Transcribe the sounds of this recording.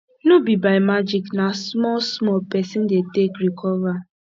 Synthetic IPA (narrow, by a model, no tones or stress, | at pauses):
nobibaɪmad͡ʒiknasmɔlsmɔlpɛsĩndetekɾikʰɔva